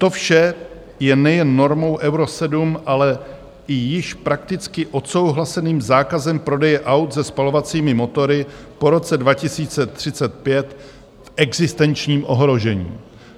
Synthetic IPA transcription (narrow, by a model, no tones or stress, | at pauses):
t̪o̞fʃɛ | jɛnɛjɛnːo̞ɾmo̞wʔɛwɾo̞sɛdumʔalɛ | ɪjɪʃpɾak̚t̪ɪt͡skɪʔo̞t̪so̞wɦlasɛniːmzaːkazɛmpɾo̞dɛjɛʔawt̪zɛspalo̞vat͡siːmɪmo̞t̪o̞ɾɪpo̞ɾo̞t͡sɛdvacɪsiːt͡sɛt̪r̝̥ɪt͡sɛt̪̚pjɛt̪ | fʔɛɡzɪst̪ɛnt͡ʃɲiːmʔo̞ɦɾo̞ʒɛɲḭː